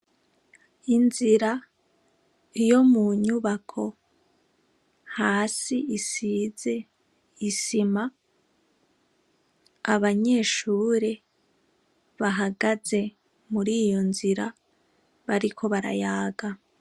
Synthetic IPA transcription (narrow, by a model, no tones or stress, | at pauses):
inziɾa | ijo̞muɲuβakʰo̞ | haːsiisize̞ | isima | aβaɲe̞ʃuːɾe | βaɦaɡaze̞ | muɾiːjo̞nziɾa | βaɾikʰo̞βaɾa̰jaːɡa